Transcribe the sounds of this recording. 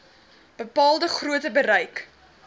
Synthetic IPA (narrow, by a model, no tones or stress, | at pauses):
b̥əpɑːlˠdəχruətəbəɾɐjk